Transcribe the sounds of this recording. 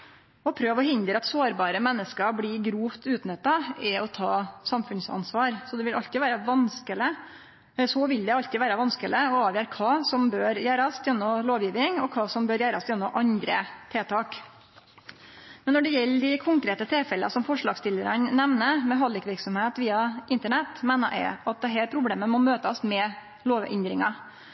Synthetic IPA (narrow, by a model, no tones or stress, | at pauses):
ɔpʰɾøːʋɔhɪnd̪ɾəɑt̪soːɾbɑːɾəmɛnːəskəblɪɡɾuːft̪ʉːt̪nœt̪ːɑɛɔt̪ʰɑːsɑmfʉnsɑ̰nsʋɑːɾsɔd̪ɛʋɪlʔɑʎt̪ɪʋæːɾəʋɑnskələ | sɔʋɪld̪ɛɑlt̪ɪʋæːɾəʋɑnskələɔɑːʋjøːɾkʰɑːsɔmbøːɾjæːɾɑsjɛnːɔloːʋjiːʋɪŋɔkʰɑːsɔmbøːɾjæːɾɑ̰sjɛnːɔmʔɑnd̪ɾət̪ʰeːt̪ʰɑːk | mɛnːɔɖɛjɛlːd̪ɪkʰʊŋkɾeːt̪ət̪ʰɪlfɛləɑ̰sɔmfɔʂɭɑːɡst̪ɪləɾənnɛʋnəmɛɦɑlɪkʋɪɾksɔmheːt̪ʋiːɑʔɪnt̪əɳɛt̪ːmæɪnəʔɛ̰ɪɑt̪̚d̪ɛɦæːɾpʰɾʊbleːməmɔmøːt̪əsmɛ | loːʋɛ̰nd̪ɾɪ̰ŋɑ